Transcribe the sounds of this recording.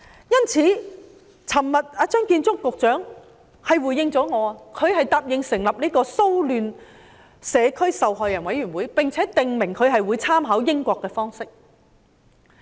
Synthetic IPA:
jɐ˥nt͡sʰiː˨˥ | t͡sʰɐ˨˩mmɐ˨t̚aː˨˧t͡ʃœː˥ŋkiː˧nt͡sʊ˥kːʊ˨k̚t͡ʃœː˨˥ŋ | hɐ˨jwuː˨˩jɪ˧ŋt͡sɔː˨˥ŋɔː˨˧a˧kʰɵ˨˧ɥhɐ˨jt̪aː˨p̚jɪ˨˧ŋsɪ˨˩ŋlɐ˨p̚niː˥kɔː˧so˥wlyː˨n | sɛː˨˧kʰɵ˥ɥsɐ˨wɦɔː˨jːɐ˨˩nwɐ˨˥jɥyː˨˩nwuː˨˥jpɪ˨ŋt͡sʰɛː˨˥t̪ɪ˨ŋmɪ˨˩ŋkʰɵ˨˧ɥhɐ˨jwuː˨˧jt͡sʰaː˥mɦɐː˨˥wjɪ˥ŋkʷɔː˧kːɛː˧fɔː˥ŋsɪ˥k̚

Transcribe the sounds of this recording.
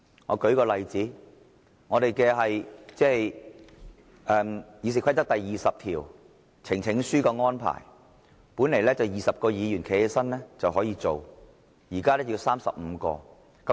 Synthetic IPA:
ŋɔ̰ː˨˧kɵ˨˥ɥkɔː˧lɐ˨jt͡siː˨˥ | ŋɔː˨˧ɾe˨jkɛː˧ɦɐ˨jt͡sɛː˥˨j | ʔɛː˧mjiː˨˧s̬i˨˩kʷʰɐ˥t̪ɐ˥k̚t̪ɐ˨jːiː˨˩sɐ˨p̚t̪ʰḭː˨˩w | t͡sʰɪ˨˩ŋt͡sʰɪ˨˥ŋsyː˥kɔː˧ŋɔː˥npʰa̰ː˨˩j | puː˨˥ne˨˩jlɛː˥t͡sɐ˨wjiː˨sɐ˨p̚kɔː˧jiː˨˧jyː˨˩nkʰe˨˩ɛ˧sɐ˥nlɛː˥t͡sɐ˨wɦɔː˨˥jiː˧t͡so˨˩w | jiː˨˩kaː˥lɛː˥ji˧wsaː˥msɐ̰˨p̚m̩˨˧kɔ̰ː˧ | kɐ˧˦

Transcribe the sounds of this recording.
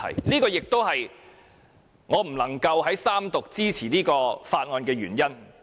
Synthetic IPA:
ɐ̰˨˩jliː˥kɔː˧jɪ˨k̚t̪o˥wɦɐ˨j | ŋɔː˨˧m̩˨˩lɐ˨˩ŋkɐ˧wɦɐ˨˥jsaː˥mt̪ʊ˨k̚t͡siː˥t͡sʰiː˨˩niː˥kɔː˧faː˧t̚ŋɔː˧nkɛː˧ɥyː˨˩njɐ˥n

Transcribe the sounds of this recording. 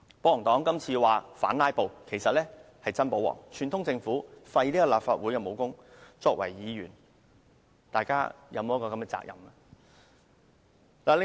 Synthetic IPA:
po˨˧˥wɔ˨˩ŋt̪ɔː˨˥ŋkɐ˥mt͡sʰiː˧waː˨˩faː˨˥nlaː˥jpo˨wkʰe˨˩jsɐ˨t̚lɛː˥ | hɐ˨jt͡sɐ˥npo˨˥wɔ̰ː˨˩ŋt͡ʃʰyː˨˩nt̪ʰʊ˥ŋt͡sɪ˧ŋfuː˨˥fɐ˧jliː˥kɔː˧laː˨p̚faː˧t̚wuː˨˥jkɛ˧mo˨˩wkʊ˥ŋt͡sɔː˧k̚wɐ̰˨˩jːiː˨˧jyː˨˩n | t̪aː˨jkaː˥jɐ̰˨˧wmo˨˦jɐ˥kɔː˧kɐ˨˥mkɛ˧t͡sa̰ː˧k̚jɐ̰˨˩mɐ˧ | laː˨lɪ˧

